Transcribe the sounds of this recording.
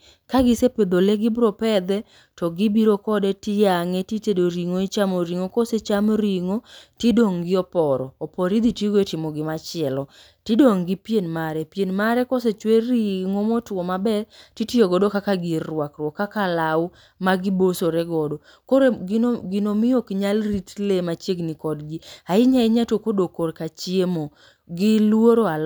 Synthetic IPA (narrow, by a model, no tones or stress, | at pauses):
kaɡɪseped̪oleɡɪbɾɔpɛd̪ɛ | tɔɡibiɾokɔdɛtɪjaŋɛtitedoɾiŋoit͡ʃamoɾiŋokoset͡ʃamɾiŋotidoŋɡɪɔpɔɾɔːpɔɾid̪itiɡoetɪmɔɡɪmat͡ʃɪɛlɔ | tidoŋɡɪpjenmaɾɛpjenmaɾɛkoset͡ʃweɾiŋomɔtwɔmabɛrtitioɡɔdokakaɡɪrwakɾwɔkːakalaw | maɡibosoɾɛɡɔdo | koɡɡɪnomɪjokɲalritlemat͡ʃjeɡnɪkɔdɡiaɪɲaɪɲatokodokorkat͡ʃjemo | ɡɪlwoɾoal